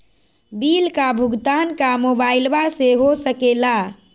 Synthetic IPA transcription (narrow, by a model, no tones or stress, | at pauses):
bilkabʱuɡt̪ankamobaɪlbaseɦosəkela